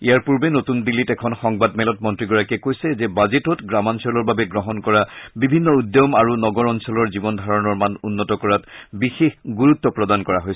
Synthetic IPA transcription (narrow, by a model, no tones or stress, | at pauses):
ijaɹpuɹbɛnotundilːitɛkʰɔnxɔŋbadmɛlɔt̚mɔntɹiɡɔɹakɛkojsɛzɛbazetɔtɡɹamansɔlɔɹbabɛɡɹɔɦɔnkɔɹabibʱinːɔudɔmaɹunɔɡɔɹɔnsɔlɔɹzibɔndʱaɹɔnɔɹmanunːɔtɔkɔɹatbixexɡuɹut̪ːɔpɹɔdankɔɹaɦojs